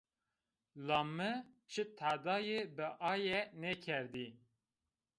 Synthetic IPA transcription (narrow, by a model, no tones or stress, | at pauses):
lɑːmːɨt͡ʃʰɨt̪ʰaːd̪ɑːjebɨʔɑːjɛnɛkʰɛɾd̪i